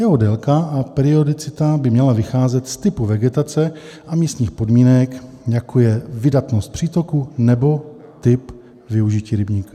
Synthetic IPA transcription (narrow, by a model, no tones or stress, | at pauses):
jɛɦodɛlkaʔapɛɾɪo̞dɪt͡sɪt̪abɪmɲɛlavɪxaːzɛt̪st̪ɪpuvɛɡɛt̪at͡sɛ | ʔamiːst̪ɲiːxpo̞dmiːnɛk | jakʰojɛvɪdat̪no̞st̪̚pr̥iːt̪o̞kunɛbo̞t̪ɪp | vɪuʒɪciːɾɪbɲiːka